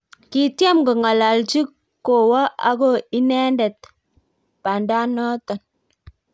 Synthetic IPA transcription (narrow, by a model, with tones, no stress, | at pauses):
ki˨tjɛ˦mɡɔ˨ŋa˨la˨ld͡ʒi˦ | kːo˨wa˦a̰˨˦ɡo˦i˦nɛ˦ndɛ˨t̚ | pa˨nda˦nɔ˦tɔ˨n